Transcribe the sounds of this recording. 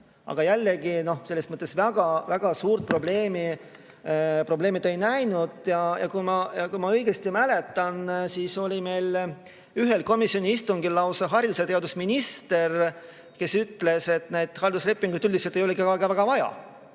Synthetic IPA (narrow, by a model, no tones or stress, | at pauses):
ɑ̰ɡ̥ɑjælːeɡino̞hse̞lːesmɤt̪ːˑe̞svæɡ̥ɑvæɡ̥ɑsuːɾt̪̚pro̞ble̞ːmi | pro̞ble̞ːmid̪ejnæjnud̪̥jɑjɑ̰kumɑjɑkumɑɤjɡ̥est̪imæle̞t̪ːˑɑnsiːso̞lʲime̞jl | yɦe̞lko̞misˑio̞nʲiist̪uŋɡilːɑwsɑɦɑrjluset̪e̞ɑd̪usminist̪e̞r | ke̞syt̪ːˑle̞se̞t̪nejd̪ˑhɑld̪usle̞pːˑiŋɡ̥ud̪ylʲd̪iset̪ːˑejo̞leɡikɑɡevæɡ̥ɑvɑjɑ̰